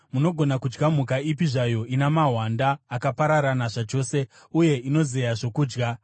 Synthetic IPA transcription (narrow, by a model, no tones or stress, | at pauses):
muno̞ɡʱo̞nakud͡ʒɡam̤ukaip̬iʐajo̞ʔinamaɦwandaːkapaɾaɾanaʐat͡ʃo̞ːse̞ | uje̞ino̞ze̞jaʐo̞kuːd͡ʒɡa